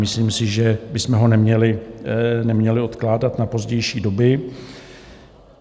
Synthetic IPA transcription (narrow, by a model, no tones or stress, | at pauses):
mɪsliːmsɪʒɛbɪsmɛɦo̞nɛmɲɛlɪ | nɛmɲɛlɪo̞t̪klaːdat̪napo̞zɟɛjʃiːdo̞bɪ